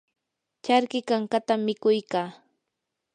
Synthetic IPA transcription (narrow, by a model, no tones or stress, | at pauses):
t͡ʃaɾkɪkaŋkat̪amːɪkʊjkaː